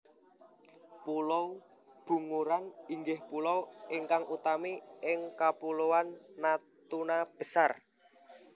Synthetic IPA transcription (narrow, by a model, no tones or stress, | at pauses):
pulɔw | b̥ṳŋuɾaniŋɡɪhpulɔwɪŋkaŋʔut̪amiɪŋkapulowanːa | t̪unab̥ə̤sar